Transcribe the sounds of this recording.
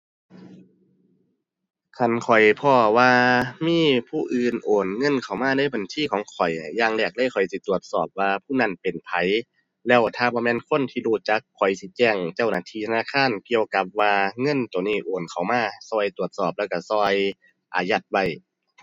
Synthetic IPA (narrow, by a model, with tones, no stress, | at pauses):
kʰa˧˩nkʰɔ˨˩jpʰɔː˧˩waː˧miː˧˥˨pʰuː˧˩ʔɯː˨nʔoː˨˩nŋɤ˧˥˨nkʰa˨˩wmaː˧˥˨daː˧˥˨jba˨˩nsʰiː˧˨kʰɔː˨˦ŋkʰɔ˨˩jːaː˧ŋlɛː˧˩k̚da˧˥˨jkʰɔ˨˩jsi˧˦t̪u˨˩ət̪̚sɔː˨˩p̚waː˧pʰuː˧˥˩na˧˥˨npe˨˩npʰa˨˦j | lɛː˧˥˩wt̪ʰaː˧˩bɔː˧˨mɛː˧˨nkʰo˧˥˨nt̪ʰiː˧luː˧˩t͡ɕa˧˦kʰːɔ˨˩jsi˧˦t͡ɕɛː˧˩ŋt͡ɕa˧˩wnaː˧˩t̪ʰiː˧t̪ʰa˧naː˧˨kʰaː˧˥˨nki˧əwka˧˦p̚waː˧ŋɤ˧˥˨nt̪u˨niː˧˥˩ʔoː˨˩nkʰa˨˩wmaː˧˥˨sɔː˧˩jt̪u˨˩ət̪̚sɔː˨˩p̚lɛː˧˩wka˧˩sɔː˧j | ʔa̰ː˨˩ja˧˩t̪̚wa˧˩j